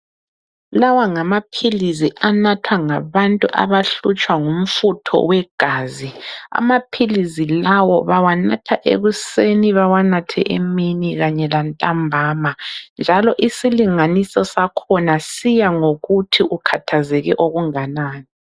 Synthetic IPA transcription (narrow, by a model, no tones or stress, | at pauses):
lawaŋamapʰiliziʔanatʰwaŋaβantʼuʔa̰βaɬut͡ʃʼwaŋum̩futʰɔ̰wɛɡ̥ʱaːzia̰mapʰilizilawɔβawanatʰaʔḛɣuseniβawanatʰɛ̰ʔeminiɣaɲɛlantʼambʱaːmand͡ʒʱalɔʔisiliŋanisɔsakʰɔnasijaŋoɣutʰiʔukʰatʰazɛɣɛʔoɣuŋanaːni